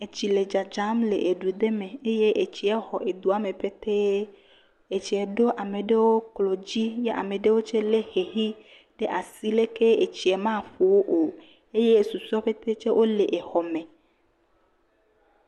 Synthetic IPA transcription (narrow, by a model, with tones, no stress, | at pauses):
e˨t͡ɕi˨le˨d͡ʒa˨d͡ʒa˨˦mle˨ʔe˨ɖu˨d̪e˦mẽ˨e˦je˦ʔe˨t͡ɕi˨ɛ˦xɔ˨ʔe˨d̪u˨˦a˦mẽ˨ɸe˦t̪e˦ | e˨t͡ʃi˨ɛ˨ɖo˦ʔa˨me˨ɖe˦wo˦klo˨d͡ʑi˦je˦ʔa̰˨mẽ˨ɖe˦wo˦t͡ʃe˦le˦xe˨ɦi˦ | ɖe˦ʔa˨si˦le˦ke˦e˨t͡ɕi˨ɛ˨mã˦˨ɸo˨wo˦ʔo˨ | e˦je˦˨su˨sɔ˦ɸe˦t̪e˦t͡ʃe˦wʔo˦le˨ʔe˨xɔ˨mẽ˨